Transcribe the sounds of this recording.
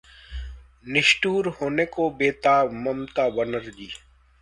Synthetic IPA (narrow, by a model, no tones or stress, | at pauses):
nɪʃʈuːɾhoːneːkobeːt̪aːmɐmt̪aːbənəɾd͡ʒiː